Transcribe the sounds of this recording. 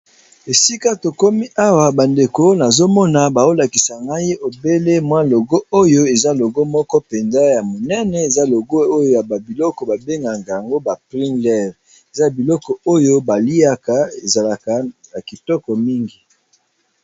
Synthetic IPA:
e˨si˦ka˦to˨ko˦mi˦ʔa˦wa˨ba˨nde˨ko˦na˨zo˦mɔ˦na˨ba˨o˦la˨ki˨sa˨ŋɡa˦ji˦ʔo˨be˦le˦mwa˦lo˨ɡo˦o˦jo˦e˨za˦lo˨ɡo˦mɔ˦kɔ˦pe˨nza˦ja˨mo˨nɛ˦nɛ˨e˨za˦lo˨ɡo˦o˦jo˨ja˨ba˨bi˨lɔ˦kɔ˨ba˨be˦ŋɡa˨ŋɡa˨ja˨ŋɡo˦ba˨pʁi˦ndɛ˦˨ʁ | e˨za˦˨bi˨lɔ˦kɔ˨o˦jo˦ba˨li˦a˦ka˨e˨za˨la˨ka˨na˨ki˨tɔ˦kɔ˨mi˦ŋɡi˨

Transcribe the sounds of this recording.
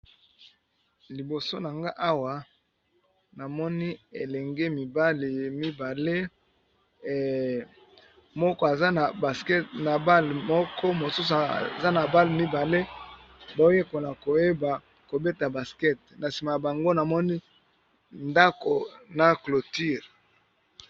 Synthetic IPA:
li˨bo˨so˦na˨ŋɡa˦ʔa˦wa˨ | na˨mɔ˦ni˦e˨lɛ˨ŋɡe˦mi˨ba˦li˨mi˦ba˨le˦˨ | mɔ˦kɔ˦a˨za˦na˨ba˨skɛ˦tna˨ba˦lmɔ˦kʰɔ˦mo˨su˦sa˨za˦na˨ba˦li˨mi˦ba˨le˦ | ba˨˦o˦e˦ko˨na˨ko˨je˦ba˨ | ko˨be˦ta˨ba˨skɛ˦t̚na˨si˨ma˨a˨ba˨ŋɡo˦na˨mɔ˦ni˦ | nda˦ko˨na˨klo˨ti˦˨ʁ

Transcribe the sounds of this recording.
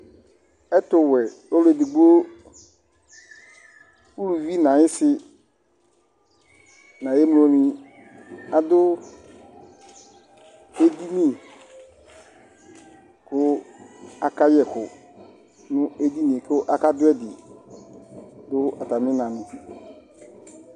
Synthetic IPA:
ɛ˦tʊ˨wɛ˨o˦lʊ˦ɛ˨dɪ˨ɡ͡bu˦o˦ | u˦lu˨vi˦nã˨ɲɪ̃˦sɪ˦ | nã˨jɛ˦m˦o˦nĩ˦ | a˨dʊ˦ | e˦di˦nĩ˦˨ | kʊ˦ | a˨ka˦jɛ˨kʊ˨ | nʊ̃˦e˦di˦nĩ˨kʊ˦ʔa˦ka˦dʊ˦ɛ˦dɪ˨ | dʊ˦a˨ta˨mɪ̃˦nã˨nʊ̃˨

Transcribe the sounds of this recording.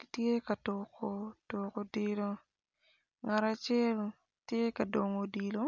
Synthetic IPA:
tje˦ka˨tokoto˨ko˨di˨lo˧ | ŋa˨ɾat͡ʃɛ˦l | tje˦ka˨do˨ŋo˨di˨lo˦

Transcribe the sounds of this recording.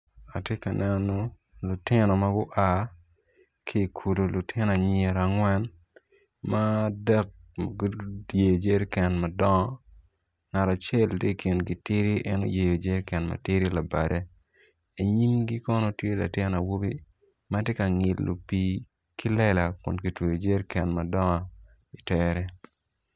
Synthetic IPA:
a˨tje˦ka˨nʔɛ˨nɔ˦ | lu˨tɪ˦nɔ˨ma˦ɡʊ˦ʔa˦˨ | kʰi˦˨kʰu˨do˨lu˨tʰɪ˦n˨a˨ɲɪe˨ɾa˨ŋwɛ˦n | ma˦dɛ˦k̚mɡje˨jo˨d͡ʒe˦ɾkɛ˨nma˨dɔ˦ŋɔ˦ | ŋa˨ɾa˨t͡ʃe˦ltje˦kʰi˨nɡi˦tɪ˦ɾi˦ʔɛ˦no̰˦je˨jo˨d͡ʒe˦ɾkɛ˨nma̰˨tɪ˦ɾi˦la˨ba˨dɛ˨ | i˨ɲi˦mɡi˦kɔ˦no˦tje˦la̰˨tɪ˦na˨wo˦bi˦ | ma˦tje˦ka˨ŋɪ˨lːo̰˨pi˨ | ki˦lɛ˦la˨kʊ̰˨nki˨twe˨jo˨d͡ʒe˦ɾkɛ˨nma˨dɔ˦ŋɔ˨ | i˨tɛɾɛ˦

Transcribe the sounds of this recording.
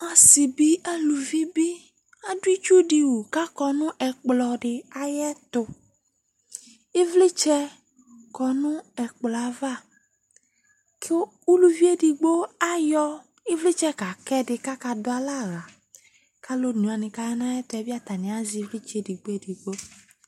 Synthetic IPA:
a˨sɪ˨bi˦a˦lu˨vi˦bi˦ | a˦dʊ˦i˦t͡ʃu˦di˨wu˨ka˦kɔ˨nʊ̃˦ʔɛ˨k͡plɔ˨ɖɪ˨a˦jɛ˦t̪ʊ˧ | ɪ˦vlɪ˦t͡ʃɛ˦ | kɔ˨nʊ̃˦ɛ˨k͡plɔ˨a˨va˦˨ | kʰɪ˦ | u˦lu˨vi˦e˦di˨ɡ͡bo˦a˦jɔ˦ | ɪ˦vlɪ˦t͡ʃɛ˦ka˨kɛ˦dɪ˧ka˦ka˧dʊ˦a˦la˦˨ɣa˨ | ka˦lo˦nu˨a˨nɪ̃˨ka˨jɛ˦na˦jɛ˦tɛ˨bi˦a˦t̪a˨nɪ̃˨˦a˦zi˨˦vlɪ˦t͡ʃe˨di˨ɡ͡bo˦e˦di˨ɡ͡bo˦

